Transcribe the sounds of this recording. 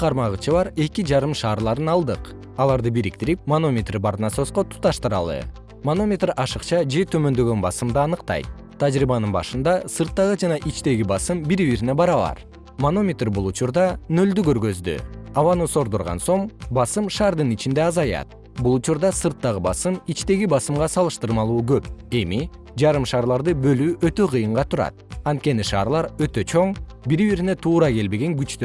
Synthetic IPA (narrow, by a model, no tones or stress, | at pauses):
qʰɑɾmɑʁɯt͡ʃɯβɑɾe̞kid͡ʒɑɾɯmʃɑːɾlˠɑɾɯnɑlˠd̪ɯq | ɑlˠɑɾd̪ɯbiɾik̚t̪iɾip̚mono̞mʲet̪rbɑɾnɑso̞sqot̪ʰu̥t̪ɑʃt̪ɯɾɑ̰lˠɯ̰ | mono̞mʲet̪rɑʃɯqt͡ʃɑd͡ʒe̞t̪ʰø̞mø̞nd̪ø̞ɡønbɑsɯmd̪ɯɑnɯqt̪ɑ̰jt̪̚ʰː | ɑd͡ʒɾibɑnɯnbɑ̰ʃɯnd̪ɑsɯɾt̪ːɑʁɯd͡ʒɑnɑʔit͡ʃt̪e̞ɡʲibɑsɯmbiɾβiɾine̞bɑɾɑβɑ̰ɾ | mono̞mʲet̪rbulˠut͡ʃuɾd̪ɑnø̞ld̪yɡø̞ɾɡø̞zd̪y̰ɑβɑnuso̞ɾd̪oɾʁɑ̰nso̞ɴbɑsɯmʃɑːɾd̪ɯnit͡ʃind̪e̞ɑzɑjɑ̰t̪̚ | bulˠut͡ʃuɾd̪ɑsɯɾt̪ːɑʁɯbɑsɯmit͡ʃt̪e̞ɡibɑsɯmʁɑsɑlˠɯʃt̪ɯɾmɑlˠuːɡøpe̞mi | d͡ʒɑɾɯmʃɑːɾlˠɑɾd̪ɯbø̞lyːʔøt̪ø̞qʰɯjɯɴʁɑt̪ʰuɾɑ̰t̪̚ɑnt̪̚ke̞niʃɑːɾlˠɑɾø̞t̪ø̞t͡ʃʰo̞ɴ | biɾiβiɾine̞t̪ʰuːɾɑke̞lbe̞ɡe̞ŋɡyt͡ʃt̪ø